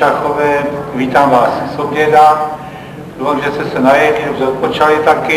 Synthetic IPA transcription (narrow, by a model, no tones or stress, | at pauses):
axovɛːviːt̪aːmvaːssobjɛda | d̪oːfamʒɛst̪ɛsɛnajɛkidobzot̪̚pot͡ʃalɪt̪akɪ